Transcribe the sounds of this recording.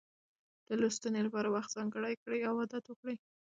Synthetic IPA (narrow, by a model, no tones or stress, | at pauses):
d̪̥əlost̪anelapɑɾawaxt̪z̥ɑŋɡəɽajkɽəjawɑd̪at̪wəkɽəj